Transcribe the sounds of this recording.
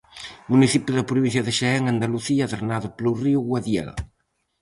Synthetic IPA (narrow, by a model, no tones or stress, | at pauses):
muniθipjuðapɾuβin̟θ̬jaðeʃeɛŋand̪aluθiaðeɾnaðupluriuɣwaðjɛ̰l